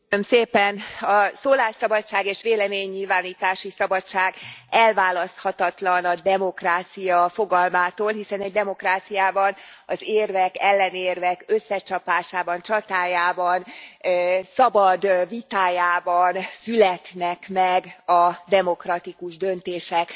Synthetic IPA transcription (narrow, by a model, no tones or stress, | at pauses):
ømseːpɛnɒsoːlaːsɒbɒtt͡ʃːaːɡeːʃʋeːlɛmeːɲːilvaːniːt̪aːʃisɒbɒt͡ʃaːɡɛlvaːlɒst̪hɒt̪ɒt̪lɒnɒd̪ɛmo̞kraːt̪sijɒfo̞ɡɒlmaːt̪oːlɦisɛnɛɟd̪ɛmo̞kraːt̪sijaːbɒnɒzeːrvɛkɛlːɛneːrvɛkøsːɛt͡ʃɒpaːʃaːbɒnt͡ʃɒt̪aːjaːbɒn | sɒbɒd̪vit̪aːjaːbɒnsylɛt̪nɛkmɛɡɒd̪ɛmo̞krɒt̪ikuʒd̪ø̞nt̪eːʃɛk